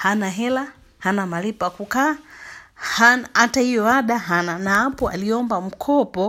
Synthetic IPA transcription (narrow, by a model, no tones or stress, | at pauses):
hanaɦɛla | hanamalipakukaː | hanatahijɔaɗaɦananaapɔa̰liɔmbam̩kʰɔpɔ